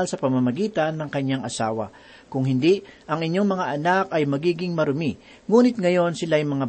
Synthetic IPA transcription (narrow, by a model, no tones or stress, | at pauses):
lsɐpɐmamɐɡiːt̪ɐnːɐŋkɐɲːaŋɐsaːwɐ̰ | kʊŋhɪnd̪iʔɐŋɪɲjo̞ŋmɐŋaʔɐnakɐjmɐɡiːɡɪŋmɐɾʊmi | ŋuːnɪt̪̚ŋɐjo̞nsɪlaːjmɐŋa